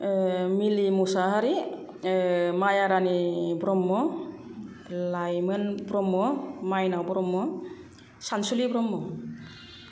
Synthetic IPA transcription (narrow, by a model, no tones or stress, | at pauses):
milimusaɦaɾi | majaɾanibɾɔmːɔ | lajmɯnbɾɔmːɔmajnawbɾɔmːɔ | sansulibɾɔmːɔ